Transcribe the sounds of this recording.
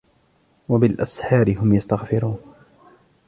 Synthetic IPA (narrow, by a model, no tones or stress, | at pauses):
wabɪlʔasħɑːɾɪɦʊmjast̪aɣfɪɾuːn